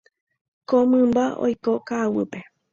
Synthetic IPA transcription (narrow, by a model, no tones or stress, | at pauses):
komɨ̃mbao̰jkokawɨpe